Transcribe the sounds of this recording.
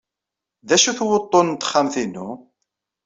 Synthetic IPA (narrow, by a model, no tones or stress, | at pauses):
ðæʃuθwot̪ˤːont̪ə̥χːamθinːṵ